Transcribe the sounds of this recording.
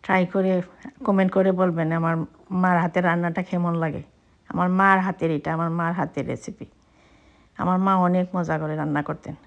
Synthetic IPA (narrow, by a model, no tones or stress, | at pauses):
ʈɾajkoɾekɔmeɳʈkɔɾebolbenamaɹ | maɾɦat̪eɾːanːaʈakʰɛmɔnlaɡḛ | a̰maɹmaɹɦat̪eɾejʈaamaɹmaɹɦat̪eɾḛsipi | a̰maɹmaɔnekmɔzaɡɔɾeɾanːakɔɹt̪en